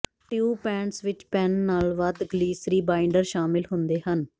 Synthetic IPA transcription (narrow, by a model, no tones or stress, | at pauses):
ʈɪjuːpɛ̃ːɳʈsʋɪt͡ʃpɛnːaːlʋəd̪ɡliːsɾiːbaːɪɳɖəɾʃaːmɪlɦʊ̃nd̪eːɦən